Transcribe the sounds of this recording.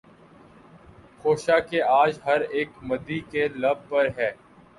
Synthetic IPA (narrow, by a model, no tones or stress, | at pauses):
xoːʃakeaːd͡ʒɦɐɾeːkmɐd̪ikelɐb̚pɐɾɦɛː